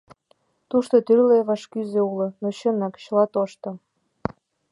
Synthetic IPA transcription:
t̪uʃt̪ot̪yrleβɑʃkyzeulɤ̆noɕə̆nɑkɕəlɑt̪oʃt̪ɤ̆

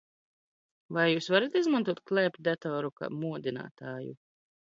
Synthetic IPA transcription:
vajjuːsvaɾat̪izmant̪uɔt̪̚klˠɛpʲd̪ɛt̪ɔːɾuka̰ːmuɔd̪ina̰ːt̪aːjṵ

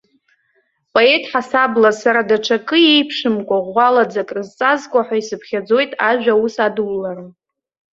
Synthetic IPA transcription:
pʼo̞e̞tʼħasablasaɾadaʈ͡ʂʰakʼɨejpʰʂɨmkʷʼaʁʷalad͡zakʼrɨzt͡sʼazkʷʼaħʷᶣaisɨpʰχʲad͡zo̞jtʼaʒᶣausadwlːarm

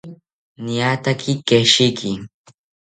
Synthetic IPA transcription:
niat̪akʰɪkeʃɪkʰɪ

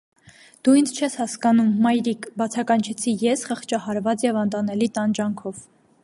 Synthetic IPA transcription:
d̪̥uind͡zt͡ʃʰɛshɑskɑnumːɑjɾikbɑt͡sʰɑkɑnt͡ʃʰɛt͡sʰijɛsχəχt͡ʃɑhɑɾvɑt͡sjɛvɑnt̪ɑnɛlit̪ɑnd͡ʒɑŋkʰɔv

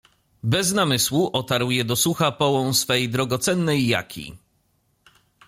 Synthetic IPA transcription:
bɛznamɘswuʔɔt̪aɾwjɛd̪ɔsuxapɔwɔ̃w̃sfɛjd̪ɾɔɡɔt̪sɛnːɛjːa̰kʲḭ

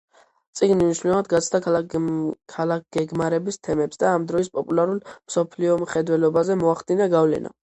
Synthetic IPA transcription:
t̪sʼiɡnimniʃwilɛvad̪ɡat̪sʰd̪a | kʰalak̚ʰɡ̥ɛɡmaɾɛbist̪ʰɛmɛpsd̪aːmd̪ɾɔispʼɔpʼulaɾulˠmsɔpʰliɔmχɛd̪wɛlɔbazɛmɔaχd̪inaɡavlɛ̰na̰

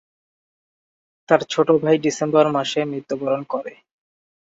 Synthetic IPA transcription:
t̪aɾt͡ɕʰoʈobʱajɖisembɔɾmaʃemɾit̪ːobɔɾonkoɾe

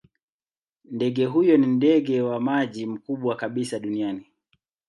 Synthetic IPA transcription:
ndɛɡɛɦujɔnindɛɡɛwamaʄim̩kuɓwakaɓisaɗuniani

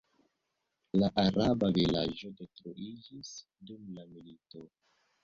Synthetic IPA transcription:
laʔaɾabavila̰d͡ʒo̞detɾuid͡ʒis | dumlamilito̞

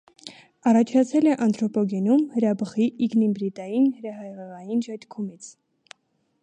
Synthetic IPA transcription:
ɑrɑt͡ʃʰɑt͡sʰɛlɛʔɑnt̪ɾɔpɔɡɛnumhəɾɑbəχiːɡnimbɾit̪ɑjinhəɾɑɦɑjʁɛʁɑjind͡ʒɑt̪kʰumit͡sʰ

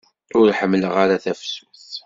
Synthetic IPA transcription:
ʊɾħəmːləʁaɾaθæfsu̥θ

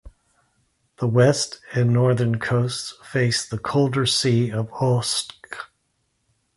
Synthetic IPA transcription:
ðəwɛstɨ̃nːɔɹðə̃˞nkʰoʊstsfeɪsðəkʰoʊlˠdə˞siʌvosk

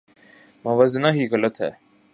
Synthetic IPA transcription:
mãːʋəznaːɦiːɣələt̪ɦɛ̰ː

